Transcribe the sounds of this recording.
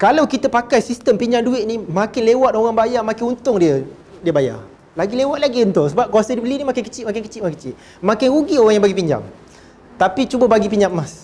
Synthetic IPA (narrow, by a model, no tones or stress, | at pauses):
kalawkit̪əpakajsist̪əmpiɲd͡ʒaŋduɪʔ̪̚nĩmãkɪnlewat̪̚oɣaŋbajamãkɪnunt̪ʊŋdiə | diəbaja̰ | laɡilewat̪̚laɡiunt̪ʊŋsəbap̚kuasadibəlinĩmakɪnkə̥t͡ʃiʔ̚makɪnkə̥t͡ʃɪt̪̚ʔkə̥t͡ʃɪʔ̪̚ | mãkɪnɾuɡioɣaŋjaŋbaɡipiɲd͡ʒa̰ŋ | t̪apit͡ʃubəbaɡipiɲd͡ʒammãs